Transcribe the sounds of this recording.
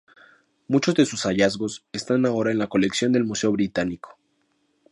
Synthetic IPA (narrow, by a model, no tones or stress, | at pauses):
mut͡ʃo̞zðe̞susaʝazɣo̞sest̪anao̞ɾaenlako̞le̞ksjo̞nd̪e̞lmuse̞o̞βɾit̪anikʰo̥